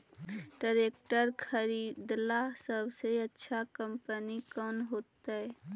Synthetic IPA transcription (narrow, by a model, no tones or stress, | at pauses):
ɖəɾekʈəɾkʰəɾiːd̪lasəbʱseətːʃʰakəmpənikɔnɦoːt̪aɛ